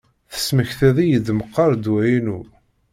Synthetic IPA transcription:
θə̥sməçθæðijəd̪məqːɑɾˤd̪wæinu

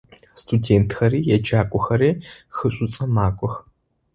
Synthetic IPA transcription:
stʰudeːntʰxɐriːjɛd͡ʒaːkʷʼɔxɐɾiːxɨɕʷʼʊt͡sʼɐmaːkʷʼɔx

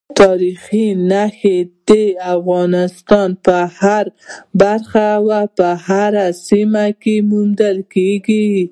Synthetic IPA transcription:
t̪ɑɾixinaxed̪̥eafɣɑnɪst̪ɑnpəhaɾbaɾxawapəhaɾasimakemund̪əlkeɡi

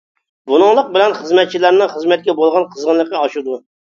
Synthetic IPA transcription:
bunɨŋlˠəq̚bɪlɛnχəzmɛt̪̚t͡ʃʰilæɾnɨŋχəzmɛt̪̚kʲɛbolˠʁɑnqʰəzʁənlˠəqːɑɑʃud̪u

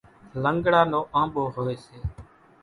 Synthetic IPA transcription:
ləŋɡɽaːnoːʔãːmɓoːɦoːeːseː

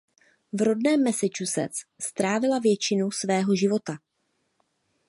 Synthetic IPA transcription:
vɾo̞dnɛːmːɛsɪt͡ʃusɛ̰t͡sst̪ɾaːvɪlavjɛt͡ʃɪnusvɛːɦo̞ʒɪvo̞t̪a

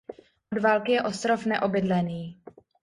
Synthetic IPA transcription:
ʔodvaːlkɪjɛʔo̞st̪ɾo̞fnɛʔo̞bɪdlɛniː

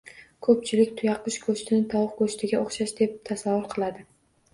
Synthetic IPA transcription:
kʰɵp̚t͡ʃʰɪlɪkʲt̪ʰʊjɑqɨʃkʰoʃt̪ʰɪnɪt̪ʰɒwqkʰɵʃt̪ʰɪɡʲaoχʃaʃd̪e̞p̚t̪ʰasavːʊɾqʰɨlˠad̪ɪ

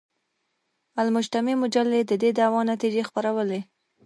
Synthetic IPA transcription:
almʊd͡ʒt̪amemʊd͡ʒalːed̪əd̪ed̪awɑnat̪id͡ʒexpaɾawəle

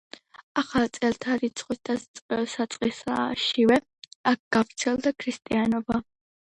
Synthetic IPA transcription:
aχalt̪sʼɛlt̪ʰaɾit̪sʰχʼist̪ʰasʼsat̪sʼqʼisa̰ʃivɛ | ak̚ʰɡ̥avɾt̪sʰɛlˠd̪akʰɾist̪ʼianɔba

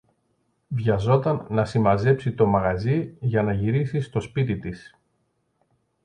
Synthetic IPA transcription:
vʝɐzo̞t̪ɐnːɐsimɐze̞psit̪o̞mɐɣɐziʝɐnɐʝiɾisist̪o̞spit̪it̪is

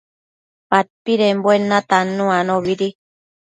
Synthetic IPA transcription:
pat̚piɾemboenãt̪anũãnõβiɾi

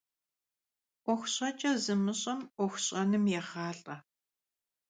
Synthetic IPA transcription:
ʔʷɔxʷɕʼɐt͡ʃʼɐzɨmɨɕʼɐmʔʷɔxʷɕʼɐnɨmjɛχaːɬʼɐ

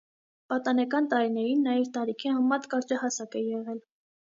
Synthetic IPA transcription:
pɑt̪ɑnɛkɑnt̪ɑɾinɛɾinːɑjɛvt̪ɑɾikʰihɑmmːɑt̪kɑɾd͡ʒɑhɑsɑkɛjɛʁɛl

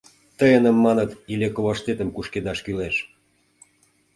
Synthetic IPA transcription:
t̪əjənə̆mːɑnət̪ilekoβɑʃt̪et̪ə̆mkuʃked̪ɑʃkyleʃ

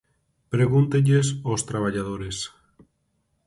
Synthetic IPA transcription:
pɾeɣunt̪eʎesost̪ɾaβaʎað̞oɾes

